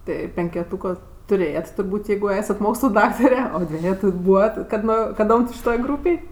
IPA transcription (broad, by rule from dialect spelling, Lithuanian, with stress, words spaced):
ˈtɐɪ pʲɛŋʲkʲɛˈtuːkoː tʊˈrʲeːjɛt tʊrˈbuːtʲ ˈjɛɪɡʊ ˈæːsɐt ˈmoːkslˠʊ ˈdɑːktɐrʲɛ oː ˈdʲʋʲæːjɛtʊ ˈbuːʋɐt kɐt ˈnoː kɐˈdoːm tʲɪ ʃʲɪˈtoːj ˈɡruːpʲeːj